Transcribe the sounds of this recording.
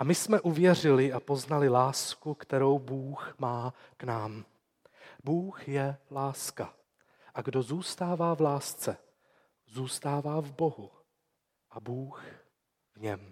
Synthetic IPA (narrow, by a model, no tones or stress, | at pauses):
ʔamɪsmɛʔuvjɛr̝ɪlɪʔapo̞znalɪlaːskukt̪ɛɾo̞wbuːxmaːknaːm | buːxjɛlaːska | ʔaɡdo̞zuːst̪aːvaːvlaːst͡sɛ | zuːst̪aːvaːvbo̞ɦu | ʔabuːx | vɲɛm